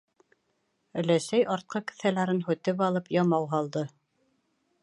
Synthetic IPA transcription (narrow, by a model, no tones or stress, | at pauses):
ɵ̆læsæjʔɑɾt̪̚qɤkɘ̥̆θælæɾɘnɦʉt̪ɘp̬ɑlˠɤpjɑmɑwɦɑlˠd̪ɤ